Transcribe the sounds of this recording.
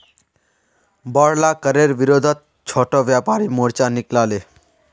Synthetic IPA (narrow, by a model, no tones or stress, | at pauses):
bɔɽlakəɾeɾʋiɾoːd̪ʱət̪̚ | t͡ʃʰoːʈoʋjapaːɾimoɾt͡ʃanɪklaːle